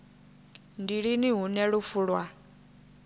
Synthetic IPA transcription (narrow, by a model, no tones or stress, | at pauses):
ndiɺiniɦunɛɺufuɺwa